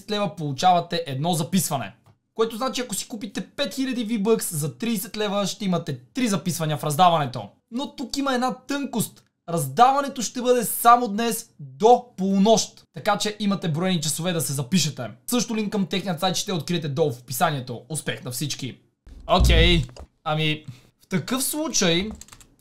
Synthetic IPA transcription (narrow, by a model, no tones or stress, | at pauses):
ɛt̪lɛvɐpolˠut͡ʃavɐt̪ɛʔɛd̪nɔzɐpisvɐnɛ̰ | koɛt̪oznat͡ʃiɐkosi̥kupit̪ɛpɛt̪xilʲɐd̪ivibɤkszɐt̪ɾiːsɛt̪lɛvɐʃt̪ɛimɐt̪ɛt̪ɾizɐpisvɐnʲiɐfɾɐzd̪avɐnɛt̪o̰ | not̪ukimɐɛd̪nat̪ɤŋkost̪ | ɾɐzd̪avɐnɛt̪oʃt̪ɛbɤd̪ɛsamod̪nɛsd̪opolˠnoʃt̪t̪ːɐkat͡ʃɛʔimɐt̪ɛbɾɔjɛnit͡ʃɐsovɛd̪ɐsɛzɐpiʃɐt̪ɛsɤʃt̪olinkɐmt̪ɛxnijət̪sajt̪ʃt̪ɛot̪̚kɾiɛt̪ɛd̪ɔlˠfpisanʲiɛt̪oʊspɛxnɐfsit͡ʃki | okɛj | ɐmi | ft̪ɐkɤfslˠut͡ʃɐj